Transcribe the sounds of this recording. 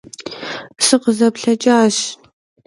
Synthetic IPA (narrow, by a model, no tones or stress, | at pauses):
sɨqəzɐpɬɐt͡ʃʼaːɕ